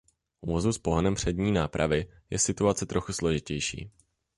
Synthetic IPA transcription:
uvozuspo̞ɦnɛmpr̝̥ɛdɲiːnaːpɾʔa̰vɪjɛsɪt̪uat͡sɛt̪ɾʔo̞xuslo̞ʒɪcɛjʃḭː

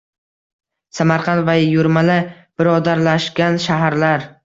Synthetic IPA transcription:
samaɾqʰɑnt̪vajjʊɾmala | b̥ɪɾɒd̪aɾlaʃɡʲanʃaɦaɾlaɾ

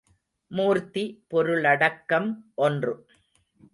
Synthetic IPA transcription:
muːɾt̪ipɔɾɯɭɐɽɐkːɐmʔɔndrɯ

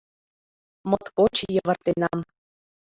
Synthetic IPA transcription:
mɤ̆t̪kot͡ɕjɤ̆ʋə̆rt̪enɑm

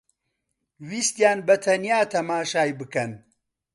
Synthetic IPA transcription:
wiːst̪jaːnbɐt̪ʰɐnjaːt̪ʰɐmaːʃaːjbɨkɐn

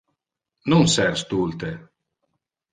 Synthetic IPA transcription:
nunsɛɾst̪ult̪e

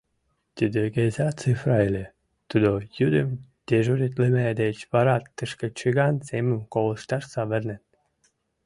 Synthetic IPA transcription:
t̪ʲid̪eɣezɑt͡sɨfrɑjlʲe | t̪ud̪ojud̪əmd̪̥ʲeʒuɾit̪lĕmæd̪et͡ɕβɑɾɑt̪ːəʃkə̆t͡ɕɨɣɑnsemə̆mkolə̆ʃt̪ɑʃsɑβə̆rnĕt̪

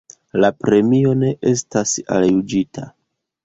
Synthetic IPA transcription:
lapɾe̞mio̞ne̞ʔe̞stasa̰ljud͡ʒitʰa̰

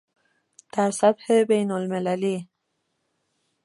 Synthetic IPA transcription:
t̪aɾsabhebajnʊlmɪlali

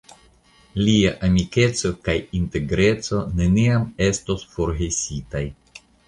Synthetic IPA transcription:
liaʔamike̞t͡so̞kajinte̞ɡɾe̞t͡so̞ne̞niame̞stosfo̞ɾɡe̞sitaj

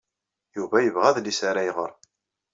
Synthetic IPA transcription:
juvæjəvʁæðlisaɾæjʁə̰ɾˤ

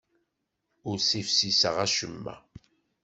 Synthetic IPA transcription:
ʊɾsifsisəʁæʃəmːæ̰

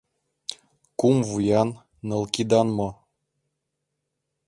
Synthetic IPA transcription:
kumvujɑnː | ɤ̆lˠkid̪ɑnmɤ

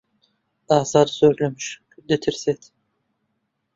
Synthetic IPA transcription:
ɑːzɑɾsøɾlømyʃ | d̪et̪ʰiɾsɛt̪ʰ

